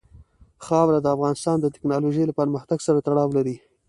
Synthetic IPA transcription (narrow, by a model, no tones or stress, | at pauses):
xɑwɾad̪əafɣɑnɪst̪ɑnd̪ət̪ɪ̥knɑloʒəjlapəɾməxt̪aɡsaɾat̪aɽɑwlaɾi